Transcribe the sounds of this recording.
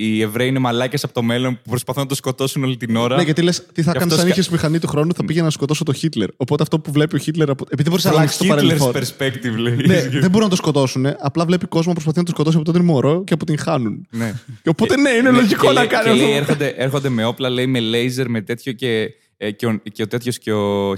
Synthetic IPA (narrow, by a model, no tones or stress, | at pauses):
ievɾeiinemɐlɐcesɐpot̪o̞me̞lonpupɾo̞spɐθunɐt̪osko̞t̪o̞sunolit̪ino̞ɾɐneʝɐt̪ilest̪iθɐkɐnsɐniçesmixɐnit̪uxɾo̞nuθɐpiʝenɐskot̪o̞sot̪oçit̪le̞ɾo̞pt̪eɐft̪o̞puvle̞pio̞çit̪le̞ɾɐpoepiiðeboɾisnɐlɐksist̪oɐɾeloeɾspekt̪ivleneðebo̞ɾuinɐt̪oskot̪o̞sune̞ʔɐplɐvle̞piko̞zmɐpɾspɐθinɐt̪osko̞t̪o̞siɐpoot̪inmoɾo̞ceɐpot̪iŋxɐnunneo̞po̞t̪ene̞inelo̞ʝiko̞nɐkɐniɐoeɾxond̪eʔeɾxond̪eme̞o̞plɐleimelejze̞ɾmet̪e̞t̪çoce | ceot̪e̞t̪çosceo